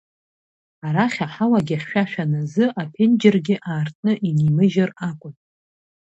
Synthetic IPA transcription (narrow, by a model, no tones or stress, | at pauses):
aɾaχʲaħawaɡʲaχʲʃᶣaʃᶣanazɨʔapʰend͡ʒɪrɡʲɪʔaːrtʼʰnɨʔinimɨʒarakʷʼʊn